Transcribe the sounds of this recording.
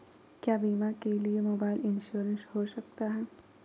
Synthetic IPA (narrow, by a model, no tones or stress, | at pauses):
kjaːbiːmakeliemoːbaːɪlɪ̃nʃuːɾə̃nshoʃɐk̚t̪aɦɛː